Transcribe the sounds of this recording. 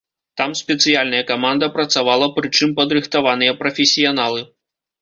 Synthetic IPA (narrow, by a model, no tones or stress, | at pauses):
t̪amsʲpʲɛt̪sɨjalʲnɐjɐkamand̪ɐpɾɐt̪savalˠɐpɾɨt͡ʂɨmpɐd̪ɾɨxt̪avanɨjɐpɾɐfʲɛsʲijanalˠɨ